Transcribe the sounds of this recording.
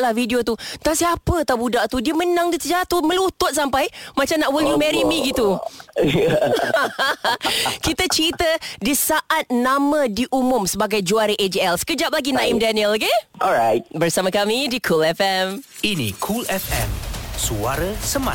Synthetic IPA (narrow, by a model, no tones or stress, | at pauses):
lahvidiot̪ut̪asiapət̪abudaʔt̪udiəmənãŋdiəsəd͡ʒaat̪umə̃luʊht̪ɔt̪̚sampajmãt͡ʃamnaʔwiljumɛɾimĩɡit̪u | kit̪ət͡ʃəɾit̪ədisaʔat̪̚namə̃diʔumʊmsəbaɡajd͡ʒuaɾəʔed͡ʒɛlskəd͡ʒap̚laɡinãɪmdaniəlɡeʔɔlɹajt̚bərsamakamidikʰulɛfɛm | inḭ̃kʰulɛfɛ̰̃msua̰ɾəsəmã̰